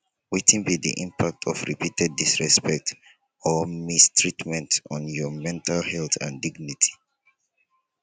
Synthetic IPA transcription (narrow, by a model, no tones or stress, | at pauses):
witʰĩnbidḭʔḭ̃mpʰak̚tʰɔfɹḭpitɛd̚ːisɹɛspɛk̚t | ɔmistɹitmɛ̃ntɔ̃njɔmɛ̃ntʰalhɛltʰã̰ndiɡnitʰi̥